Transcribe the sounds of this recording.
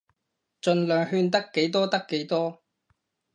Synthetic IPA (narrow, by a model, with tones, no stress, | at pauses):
t͡ʃɵ˧nlœː˨˧ŋhyː˧nt̪ɐ˥kːe˨˥jt̪ɔː˥t̪ɐ˥kːe˨˥jt̪ɔː˥